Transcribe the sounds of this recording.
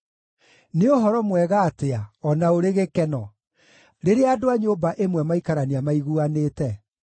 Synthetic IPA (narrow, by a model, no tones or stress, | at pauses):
neoɦɔɾɔmwɛɣaːteaɔnaoɾeɣekɛnɔ | ɾeɾeadoaɲoːbaʔemwɛmaikaɾaniamaiɣuaneːtɛ